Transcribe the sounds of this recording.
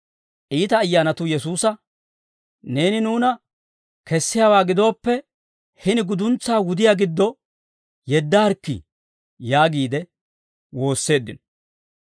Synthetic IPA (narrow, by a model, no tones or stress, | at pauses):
ʔiːt̪ɐːjːaːnɐt̪ʊjɛsuːsɐ | ne̞ːnɪnuːnɐ | kɛsːɪjaːwaːɡɪd̪o̞ːpːɛ | hɪnɪɡʊd̪ʊnt͡sːaːwʊd̪ɪjaɡɪd̪ːɔ | jɛd̪ːaɐɾkːḭ | jaːɡiːd̪ɛ | wo̞ːsːe̞ːd̪ːɪ̰nɔ